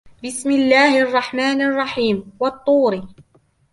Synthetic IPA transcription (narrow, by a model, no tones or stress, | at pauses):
bɪsmɪlːaːhʔɑrˤːɑħmaːnʔɑrˤːɑħiːmwɑt̪ˤːuːɾi